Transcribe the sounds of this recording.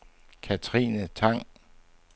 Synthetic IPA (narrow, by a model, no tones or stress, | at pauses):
kʰæt͡sʰʁḭːnət͡sʰɑ̈ŋ̰